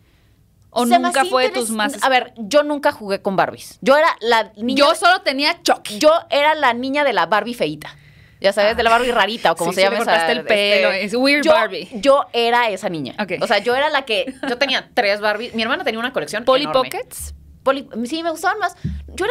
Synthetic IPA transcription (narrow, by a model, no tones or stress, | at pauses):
oneumkafweðeuzmaaβe̞ɾɟ͡ʝo̞nũŋkaxuɣe̞ko̞mba̰ɾβḭsɟ͡ʝo̞e̞ɾalanĩɲd͡ʒosolot̪e̞niat͡ʃokɟ͡ʝo̞e̞ɾalanĩɲaðe̞laβaɾβife̞it̪ḁ | ɟ͡ʝasaβezðelaβaɾβiraɾit̪aoko̞moseʝamaoɾsaseeloswiɾd͡ʒoaɾβiɟ͡ʝo̞e̞ɾae̞sanĩɲa̰okejoseaʝo̞e̞ɾalake̞ɟ͡ʝo̞t̪e̞niat̪ɾe̞zβaɾβismieɾmãnat̪eniaunako̞le̞ksjonponlioɾpomeket̪s | polisimeɣust̪aβanmasɟ͡ʝo̞ea